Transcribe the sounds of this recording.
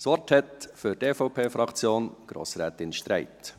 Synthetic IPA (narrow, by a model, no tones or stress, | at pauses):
sʋɔɾthɛt̪fʏɾteːfɔʊpʰeːfɾɑkt͡sjoːnɡ̥ɾo̰ːsɾɛːt̪ɪnʃtɾæɪt̪